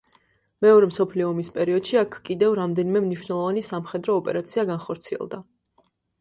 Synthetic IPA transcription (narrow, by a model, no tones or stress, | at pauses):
mɛɔɾɛmsɔpʰliɔːmispʼɛɾiɔd̪̥ʃiakʰkʼid̪ɛvɾamd̪ɛnimɛmniʃwnɛlˠɔvanisamχɛd̪ɾɔːpʼɛ̰ɾat̪sʰiaɡanχɔɾt̪sʰiɛ̰lˠd̪a